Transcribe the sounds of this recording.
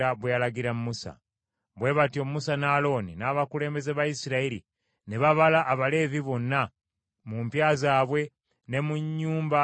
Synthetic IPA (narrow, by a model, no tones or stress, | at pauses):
aβwealaɡiɾamumusa̰ | βwe̞βatio̞musanaːlo̞ninaːβakule̞ːmbe̞zeβajisiɾaiɾḭ | ne̞βaβalaʔːβale̞ːviβo̞nːa | mumpjaːzaːβwe̞ | ne̞muɲːuːmba